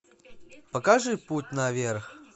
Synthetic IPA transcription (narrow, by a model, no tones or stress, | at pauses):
pəkaʐɨput̚ʲnɐvʲerx